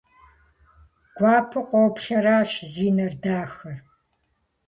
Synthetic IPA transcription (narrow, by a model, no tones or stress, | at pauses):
ɡ̥ʷɑːpʰɨqʷʼɔpɬɐɾaːɕziːnɐrdaːxɐr